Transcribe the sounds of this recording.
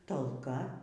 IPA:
tɐlˠˈkɐ

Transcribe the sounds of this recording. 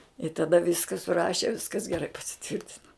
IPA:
ɪ tɐˈdɐ ˈʋʲɪskɐ sʊˈrɑːʃʲɛ ˈʋʲɪskɐs ɡʲɛˈrɐɪ pɐsʲɪˈtʲʋʲɪrʲtʲɪnɐ

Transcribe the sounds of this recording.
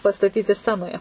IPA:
pɐstɐˈtʲiːtʲɪ ˈsʲt͡sʲæːnoːjɛ

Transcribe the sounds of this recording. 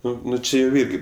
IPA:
ˈnʊ ˈnʊ ˈt͡ʃʲɪ jɛʊ ˈɪrʲɡʲɪ

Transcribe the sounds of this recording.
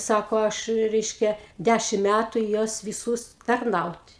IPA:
ˈsɑːkoː ˈɐʃ ˈrʲɛɪʃʲkʲɛ ˈdʲæʃʲɪm ˈmʲætʊ ɪ ˈjuɔs ʋʲɪˈsuːs tɐrˈnɐʊtʲ

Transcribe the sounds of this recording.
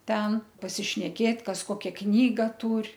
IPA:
ˈtʲɛn pɐsʲɪʃʲnʲɛˈkʲeːt ˈkɐs ˈkoːkʲɛ ˈknʲiːɡɐ ˈtuːrʲ

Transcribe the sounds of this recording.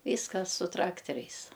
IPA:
ˈʋʲiːskɐs sʊ ˈtrɑːktʲɛrʲɛɪs

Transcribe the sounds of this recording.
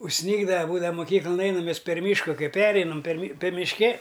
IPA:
ʊʃʲˈsʲnʲiːɡdɐʋɐ ˈbuːdɐʋɐ mʊˈkʲiːklˠɐn ˈɛɪnɐm ˈmʲɛs pʲɛr ˈmʲiːʃkʊ ˈkɐɪ ˈpʲæːrʲɛɪnɐm pʲɛr mʲɪ pʲɛr mʲɪʃʲˈkʲɛ

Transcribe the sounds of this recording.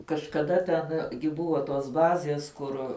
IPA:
kɐʃkɐˈdɐ tʲɛn ɡʲɪ ˈbʊʋoː toːs ˈbɑːzʲeːs ˈkʊr

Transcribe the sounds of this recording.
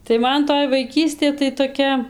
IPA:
tɐɪ ˈmɐn toːj ʋɐɪˈkʲiːsʲtʲeː tɐɪ toːˈkʲɛ

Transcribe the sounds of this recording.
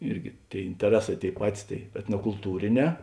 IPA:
ˈɪrʲɡʲɪ ˈtʲeːɪ ɪnʲtʲɛˈrʲæːˌsɑː ˈtʲeːɪ ˈpɑːtʲɪs tɐɪ ɛtnoːkʊlˠˈtuːrʲeːˌnʲɛː

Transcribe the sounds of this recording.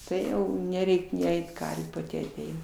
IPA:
ˈtɐɪ nʲɛˈrʲɛɪkʲ nʲɪ ˈɛɪt ˈkɐrʲʋʲuː pɐˈtʲɪ ɐˈtʲɛɪnɐ

